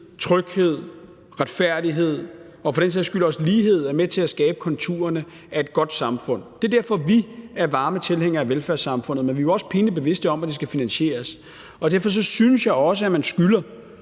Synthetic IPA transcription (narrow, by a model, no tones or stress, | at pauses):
t͡sʰʁœɡ̥he̝ð̞̰ˠ | ʁad̥fæɐ̰d̥iɦe̝ð̞̰ˠ | ɒ̽fɒ̽d̥enseð̩̰ˠɐsɡ̥ylɐɒsliːɦe̝ð̞̰ˠæɐmet͡sʰe̝læsɡ̥ɛːb̥ə̥kʰɒ̽nt͡sʰṵːɐnə | ʔæe̝d̥̚ɡ̥ɒ̽d̥sɑ̈mfɔ̽n̰d̥e̝d̥æɐ̰fɒ̽ʋiæɐʋɑ̈ːmət͡sʰe̝lheŋ̰ɐːʋelfæɐsɑ̈mfɔ̽n̰ð̩ˠmenʋioɒ̽sə̥pʰe̝ːnəb̥e̝ʋe̝sd̥əɒ̽mæd̥e̝sɡ̥æfinænɕe̝̰ːɐs | ɒ̽d̥æɐfɒ̽s̬ɒ̽synəsjɑ̈ɪɒ̽səæmænsɡ̥ylɐ